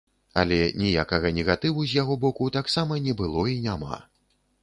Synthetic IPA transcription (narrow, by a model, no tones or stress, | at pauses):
ɐ̰lʲɛnʲijakɐɣɐnʲɛɣat̪ɨwuzʲjaɣɔbɔkut̪aksamɐnʲɛbɨlˠɔinʲama̰